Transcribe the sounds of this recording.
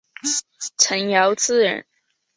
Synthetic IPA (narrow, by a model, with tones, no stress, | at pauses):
t͡sʰə˧˥njɑ˧˥ʊt͡sɹ̩˥˩ɻə̰˧˥n